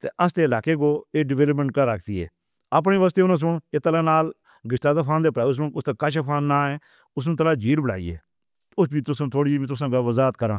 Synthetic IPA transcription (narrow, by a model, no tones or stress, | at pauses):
t̪ḛːʔəsd̪eːɪlaːkeːkoːeːɖɪʋeːləp̬mə̃ɳʈ̚kəɾaːk̚ʰt̪iːɛ̰ː | əp̬ɳeːʋəs̬t̪eːʊnãːs̬ʊɳeːt̪əlãːnaːl | ɡɪʃt̪aːt̪aːpʰãːnd̪eːpɾaːs̬məkʊst̪aːkaʃapʰaːnːaːɛ̃ː | ʊs̬nũːt̪əlaːd͡ʒiːɾbəɽa̰ːḭːḛː | ʊsbiːt̪ʊsõːt̪ʰoːɽĩːt̪̬ʊs̬ãːɡaːʋəzaːət̪kəɾã̰ː